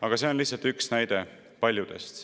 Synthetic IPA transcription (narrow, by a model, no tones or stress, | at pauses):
ɑɡ̥ɑse̞o̞nlihsːɑlt̪yksnæjd̪̥e̞ | pɑlʲjud̪̥e̞̰st̪